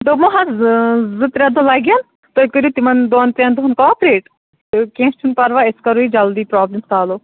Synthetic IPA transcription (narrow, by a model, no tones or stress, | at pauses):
d̪omoɦɐ | zɨt̪ɾʲɐd̪olaːɡʲan | t̪oːikəɾjut̪imɐnd̪oːnt̪ɾɐnd̪oɦɐnkɔɔːpɾeːʈ | kẽːst͡ʃʰunpɐɾʋaeskɐɾuːid͡ʒɐld̪iːpɾaːblimsaːloː